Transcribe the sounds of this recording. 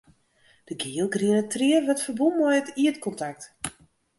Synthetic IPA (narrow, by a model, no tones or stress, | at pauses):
d̥əɡiːəlˠɡriənətriərʋɔtfəbulˠmɔjətiətkɔntak̚t